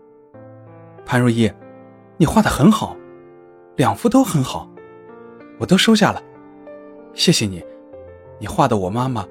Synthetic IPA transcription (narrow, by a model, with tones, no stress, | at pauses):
pʰa˥nɻu˥˧jɛ˥˩ | ni˨˩xwa˥˩d̪ə˨˩xə˧˥nxɑ˨˩˦ʊ | ljɑ˨˩ŋfu˥t̪o˥ʊxə˧˥nxɑ˨˩˦ʊ | wɔ˨˩t̪o˥ʊʂo˥ʊɕ̬ja˥˩lə˩ | ɕjɛ˥˩ɕjɛ˨˧ni˨˩˦ | ni˨˩xwa˥˩d̪ə˨wɔ˨˩ma˥mə˨